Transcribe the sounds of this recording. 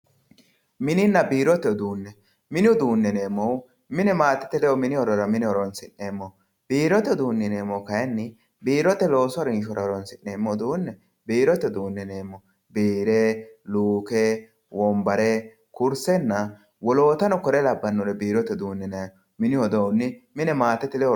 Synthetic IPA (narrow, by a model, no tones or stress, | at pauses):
mɪnɪnːɐbiːɾɔt̪ːɛɔd̪uːnːɛ | mɪnɪɔd̪uːnːɛneːmːɔw | mɪnɛmaːt̪ːɪ̥t̪ːɛlɛɔmɪnɪɔɾɔɾɐmɪnɪɔɾɔnsɪnːeːmːɔ | b̥iːɾɔt̪ːɛɔd̪uːnːɪneːmːɔkɐjɛnːɪ | biːɾɔt̪ːɛlo̞ːsʊɐɾɪnʃ̬ɔɾɐɔɾɔnsɪnːeːmːɔwd̪uːnːɛ | biːɾɔt̪ːɛd̪uːnːɛneːmːɔ | biːɾɛluːkɛ | wɔmbɐɾɛ | kʊɾsɛnːɐ | wɔlo̞ːt̪ɐnɔkɔɾɛlɐbːɐnːɔɾɛbiːɾɔt̪ːɛd̪uːnːɛnɛ | mɪnɪɔd̪ɔwʊnːɪmɪnɛmaːt̪ːɛt̪ɪlɛɔ